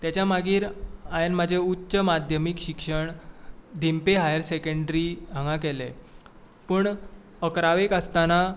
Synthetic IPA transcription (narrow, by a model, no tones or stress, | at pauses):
t̪jat͡ɕjamaɡiːɾajenmad͡ʑʱeutːɕəmad̪ʱjəmikɕikʂəɳd̪empeɦajəɾsekəɳɖɾiːãŋɡakɛle | pəːɳ | əkɾaʋekəst̪ana